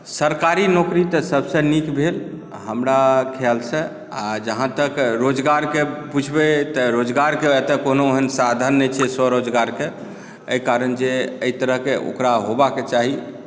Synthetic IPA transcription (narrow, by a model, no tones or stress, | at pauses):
səɾkaɾinokɾit̪ɔsəbsə̃nikbʱel | ɦəmɾakʰɛlsẽ | ad͡ʒəɦãt̪əkɾod͡ʒɡaɾkeput͡ʃʰbet̪ɔɾod͡ʒɡaɾkeɛt̪ekonooɦənsad̪ʱənːɛt͡ʃʰɛsɔɾod͡ʒɡaɾke | əjkaɾənd͡ʒeəit̪əɾəɦkeʔo̰kɾaɦobaket͡ʃaɦi